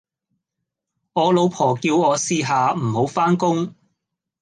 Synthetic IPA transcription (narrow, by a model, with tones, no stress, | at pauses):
ɔː˨˧lo˨˧wpʰɔː˨˩kiː˧wɔː˨˧siː˧ɦaː˨˧m̩˨˩ho˨˥wfaː˥nkʊ˥ŋ